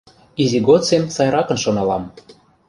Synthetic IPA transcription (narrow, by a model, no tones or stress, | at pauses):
iziɡot͡semsɑjɾɑkɤ̆nʃonɑlɑm